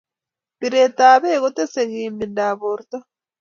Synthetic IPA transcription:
biɾe˨taː˨βe˦ɣo˦te˦se˨ɣiː˨mbinda˨βo˨ɾta˦

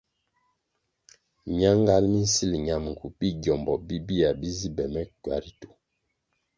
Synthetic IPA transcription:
ɲa˦ŋ˦ɡa˦lmi˦n̩˦si˦˨lɲa˨mŋ̩˨ku˨ɓi˦ɟjɔ˨mbɔ˨bi˦bi˦a˨bi˦zi˦bɛ˨mɛ˦kwa̰˨˦ɾi˦tu̥˨

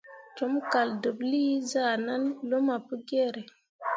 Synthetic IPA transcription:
t͡ʃo˨˦mka˨ldə˨bli˦za˦˨na˦nlo˦ma˨pə˦ɡe˦ɾe˨

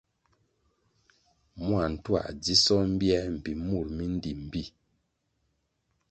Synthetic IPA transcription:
mwa˨n̩˨twa̰˦˨ʔd͡zi˦sɔ˦m̩˦bjɛ˦m̩˨bi˨mu˦˨ɾmi˦n̩˦di˨m̩˨bi˦˨

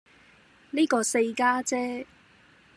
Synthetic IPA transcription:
niː˥kɔː˧se˧jkaː˥t͡sɛː˥

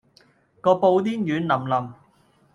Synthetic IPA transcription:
kɔː˧po˧wt̪iː˥njyː˨˥nlɐ˨˩mlɐ˨m

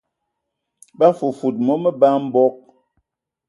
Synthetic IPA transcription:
ba˦fu˨fu˨t̚mɔ˦mə˦ba˦m̩˦bɔ˦k̚

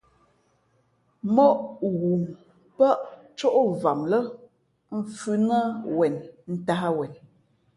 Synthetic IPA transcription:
mɔ˦ʔɣu˨ŋ | pa˦ʔt͡ʃo˦ʔo˦va˨mlə˦ | m̩˦fʉ˦nə˦wɛ˨nn̩˦ta˦ha˦wɛ˨n

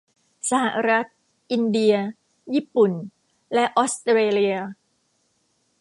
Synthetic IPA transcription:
sa˧ha˨˩ɾa˦˥t̪̚ | ʔi˧ndi˧ɐ | ji˦˥pu˨˩n | lɛ˦˥ʔo˦˥st̪ɾeː˧li˧ə

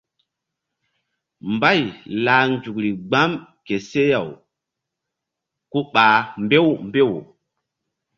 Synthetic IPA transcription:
mba˦˨jla˨nd͡ʒu˨kɾi˨ɡ͡ba˦mke˨se˦ja˨w | ku˦ɓaː˨mbe˦wmbe˦˨w

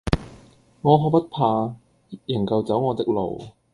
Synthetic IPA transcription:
ŋɔː˨˧ɦʰɔː˧kpɐ˥t̚pʰaː˧˥ | jɪ˨˩ŋkɐ˨wt͡sɐ˨˥wŋɔː˨˧t̪ɪ˥k̚lo̰˨˩w

